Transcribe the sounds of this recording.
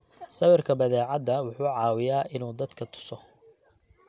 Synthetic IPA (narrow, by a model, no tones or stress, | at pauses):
sɐwɪrkʰɐbɐðɛːʕɑd̪ɐwʊħuːʕɑːwɪjaːʔɪnuːd̪ɐd̪̥kʰɐt̪ʰʊ̥sɔ